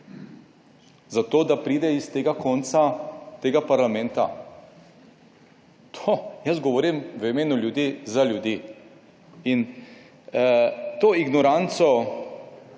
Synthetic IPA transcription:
zat̪oːd̪apɾiːd̪ɛist̪eːɡakɔnt̪sat̪eːɡapaɾlamɛnt̪a̰ | t̪ʰojəsɡɔʋoːɾimʋimeːnuljud̪iːzaljud̪iː | in | t̪oːiɡnɔɾant̪sɔ

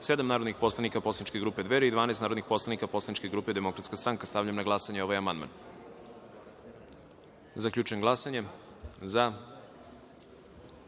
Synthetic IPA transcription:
se̞d̪amnaːɾod̪nixpo̞slˠanikaposlanit͡ʃkeɡɾuːpe̞d̪ʋeɾeid̪ʋaːnaest̪naːɾod̪nixpo̞slˠanikapo̞slˠanit͡ʃke̞ɡɾuːped̪emo̞kɾat̪skast̪ɾaŋkast̪avʎamnaɡlˠasaɲeo̞ʋajamand̪ma̰n | zakʎʲuːt͡ʃuemɡlˠasaɲe̞ | za

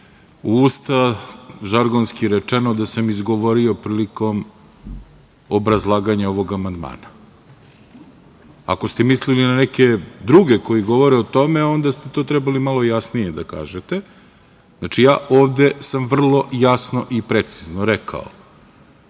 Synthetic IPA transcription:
uust̪aʒaɾɡonskiɾet͡ʂenod̪asamizɡoʋo̞ɾio̞pɾiːliko̞m | obɾazlˠaːɡaɲao̞ʋo̞ɡamand̪ma̰ːna | a̰kost̪emislilinaneke̞d̪ɾuɡeko̞jiɡo̞ʋoɾeot̪o̞meo̞nd̪ast̪e̞t̪o̞ːt̪ɾɛbalimalojasnijed̪aka̰ːʒet̪e | znat͡ʃijaːʔo̞ːʋd̪e̞samʋr̩lˠo̞jasno̞ʔipɾet̪siznoɾekʰa̰o̰

